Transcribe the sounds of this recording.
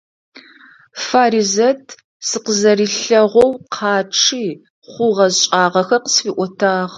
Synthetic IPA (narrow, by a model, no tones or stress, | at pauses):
faːɾizɐtʰ | sɨqəzɐɾiːɬɐʁʷɔwqʰɑːʈ͡ʂʰiː | χʷʊʁɐzɕʼaːʁɐxɐrqə̥sfiːʔʷɔtʰaːʁ